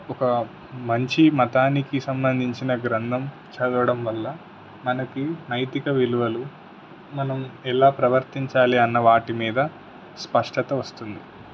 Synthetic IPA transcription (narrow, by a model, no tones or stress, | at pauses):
ɔkɐ | mɐɲt͡ʃimɐt̪aːnikisɐmbɐnd̪ʱiɲt͡ʃinɐɡɾɐnd̪ʱɐm | t͡ʃɐd̪uʋɐɽɐmʋɐlːɐ | mɐnɐkinɐjt̪ikɐʋiluʋɐlu | mɐnɐmɛlaːpɾɐʋɐɾt̪iɲt͡ʃaːliɐnːɐʋaːʈimiːd̪ɐ | spɐʂʈɐt̪ɐʋɐst̪und̪i